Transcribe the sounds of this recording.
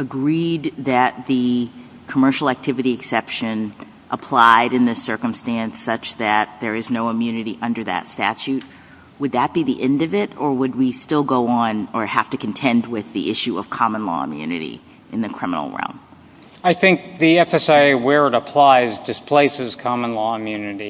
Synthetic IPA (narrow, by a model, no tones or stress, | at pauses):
ɨɡɹid̪̚ðɨt̪̚ðɨ | kʰəmɜ˞ʃl̩ˠæk̚tʰɪvɨɾiɨksɛpʃɨ̃n | ʔəpʰl̥aɪɾɨ̃nðɪsɜ˞kə̃m̩stæ̃nsʌt͡ʃðɨt̪̚ðə˞ɨznoʊəmjʉnɨɾiʔʌ̃ndə˞ðɨ̰tstæ̰t͡ʃʉt̚ | wəd̪̚ðɨt̚b̥iðiʔɛ̃ndʌvɪɾə˞wəd̚wistɪlˠɡoʊə̃nə˞hæftɨkʰn̩tʰɛ̃nd̚wɪðḭʔɪʃʉʌ̰v̥kʰɑmə̃nlɔ̰ə̰mjʉ̰nɨ̰ɾḭ | ʔɨ̃nðɨkʰɹ̥ɪmə̰nl̩ˠɹɛ̰lˠm | aɪθɪ̃ŋk̚ðiɛfɛsaɪwɛ˞ɨɾəpʰl̥aɪzdɨspʰl̥eɪsɨz̥kʰɑmə̃nlɔəmjʉnɨɾi